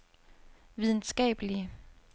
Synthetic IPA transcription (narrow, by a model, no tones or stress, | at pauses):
ʋið̞ˠn̩sɡ̥ɛ̰ːb̥əliə